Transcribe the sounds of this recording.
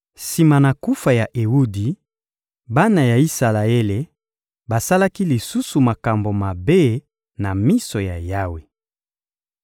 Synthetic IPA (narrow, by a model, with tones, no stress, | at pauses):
si˨ma˨na˨ku˦fa˨ja˨ʔe˨wu˦di˨ | ba˦na˨ja˨i˦sa˨la˨e˦le˨ | ba˨sa˦la˦ki˦li˨su˦su˨ma˨ka˨mbo˨ma˨be˦ | na˨mi˦so˨ja˨ja˦we˨